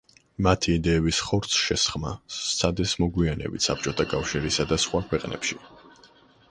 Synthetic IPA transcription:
mat̪ʰiːd̪ɛːbisχɔɾt̪sʰʃɛsχmat̪sʰad̪ɛsmɔɡwianɛ̰bit̪ʰsap̚t͡ʃʼɔt̪ʰakʼafʃiɾisad̪asχwakʰwɛqʼnɛ̰pʃi

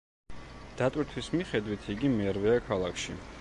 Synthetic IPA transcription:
d̪̥at̪ʼwiɾt̪ʰwismiχɛd̪wit̪ʰiɡimɛɾvɛakʰalˠakʰʃi

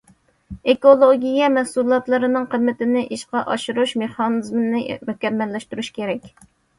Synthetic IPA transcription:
ekolˠoɡʲijɛmɛhsulˠɑt̪lˠɨɾɨnɨŋqʰəmːɪt̪ɪnɪʔiʃqɑʔɑʃuɾuʃmeχɑnɨzmɨnɪmykʲɛmːɛlːɛʃt̪uɾuʃkʲeɾɛkʲ

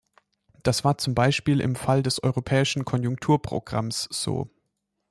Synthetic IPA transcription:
d̥asv̥aːɐt͡sʊmbaɪʃpiːlɪ̰mfaldɛsʔɔ̰ʏʁopʰɛːɪʃn̩kʰɔnjʊŋk̚tʰuːɐpʁ̥o̰ɡ̥ʁa̰msz̥o̰ː

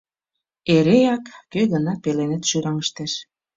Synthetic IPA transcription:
eɾejɑkːøɣənɑpelenet̪ʃyɾɑŋəʃt̪eʃ

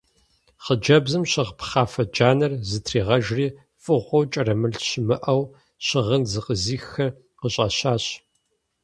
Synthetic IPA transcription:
χəd͡ʒɐbzɨmɕɪʁpʰχɑːfɐd͡ʒaːnɐrzɨtʰriːʁɐʒriː | fʼɨʁʷɔwt͡ʃʼɐɾɐmɨɬɕɪmɨʔɐw | ɕɪʁənzɨqəziːxɐ | qəɕʼɐ̰ɕaːɕ

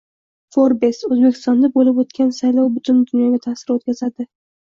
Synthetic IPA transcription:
foɾbe̞sɵzbe̞kʲʰɪ̥st̪ɒnd̪abolɪpot̪kʲʰansajlɒwbʊt̪ʰʊnd̪ʊnjɒɡʲat̪ʰasɪɾot̪kʲʰazad̪ɪ

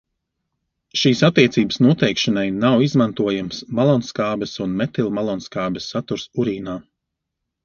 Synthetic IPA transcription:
ʃiːsat̪ːiɛt̪siːbə̥snuɔt̪ɛjkʃanajnawizmant̪uɔjamsmalˠɔnskaːbʲɛsunmɛt̪ilˠmalˠɔnskaːbɛsːat̪uɾsuɾiːnaː

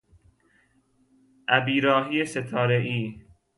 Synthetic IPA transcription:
ʔæbiːɾɒːɦijeset̪ʰɒːɾeʔiː

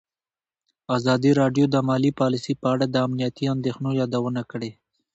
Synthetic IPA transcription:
azɑd̪iɾɑɖjod̪əmɑlipɑlisipəaɽad̪əamnijat̪iand̪exnojɑd̪awənakəɽe

